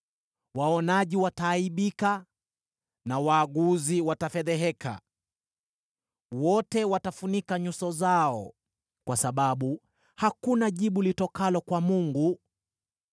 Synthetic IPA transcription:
waɔnaʄiwataːiɓika | nawaːɠuziwatafɛðɛɦɛkʰa̰ | wɔtɛwatafunikaɲusɔzaɔ̰ | kwasaɓaɓu | hakunaʄiɓulitɔkalɔkwamuŋɡu

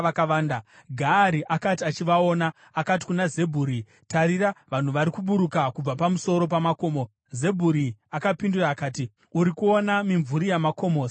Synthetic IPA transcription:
akaaːndaɡʱaːɾiʔakatiat͡ʃiʋao̞ːna | akat̬i̥kunaze̞bʱuːɾi | taɾiɾaʋan̤uʋaɾikuɓuɾukakub͡vapamuso̞ɾo̞p̬amako̞ːmo | ze̞bʱuɾiakapinduraːkaːti | uɾikuo̞namiɱvuɾijamako̞moːs

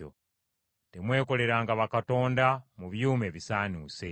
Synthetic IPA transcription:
o̰ | te̞mwe̞ːko̞le̞ɾaːŋɡaβakato̞ːndamuβjuːme̞βisaːnuːse̞

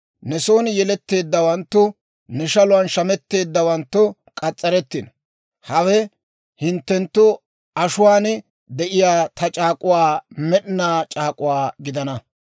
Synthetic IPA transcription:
nɛso̞ːnjɛlɛt̪ːe̞ːd̪ːɐwɐnt̪ːʊ | nɛʃɐlʊwɐnʃɐmɛt̪ːe̞ːd̪ːɐwɐnt̪ːʊ | kʼɐt͡sʼːɐɾɛt̪ːɪn | hɐwɛ | hɪnt̪ːɛnt̪ːʊ | ɐʃʊwaːn | d̪ɛʔɪjaːt̪ʰɐt͡ʃʼaːkʼʊwaːmɛɗnːaːt͡ʃʼaːkʼʊwaːɡɪd̪ɐnɐ

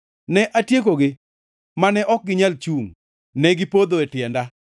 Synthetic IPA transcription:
nɛʔatjekoɡɪ | manɛʔɔk̚ɡɪɲalt͡ʃuŋ | nɛɡɪpod̪oɛtɪɛnda

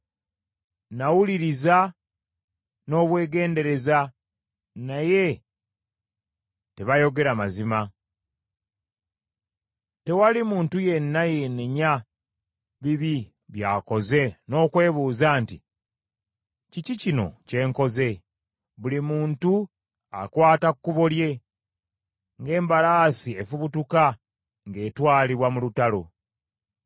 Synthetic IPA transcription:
nawuliɾiza | no̞ːβwe̞ːɡe̞ːnde̞ɾe̞za | naje̞ | te̞βajo̞ɡe̞ɾamazima | te̞walimuːntuje̞nːaje̞neɲa | βiβi | βjaːko̞ze̞no̞ːkwe̞ːβuːzaːnti | cicicino̞̰ce̞ːŋko̞ze̞ | βulimuːntu | a̰kwaːtakkːuβo̞lje̞ | ŋɡe̞ːmbalaːsie̞fuβutuka | ŋɡe̞ːtwaːliβwamulutalo̞

